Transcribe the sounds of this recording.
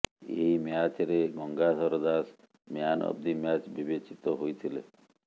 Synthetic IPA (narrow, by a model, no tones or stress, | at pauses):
ḛjmeat͡ʃɾeɡɔŋɡasɔɾd̪as | meanɔ̰b̚d̪imat͡ʃbibet͡ʃit̪ɔɦojt̪ʰilḛ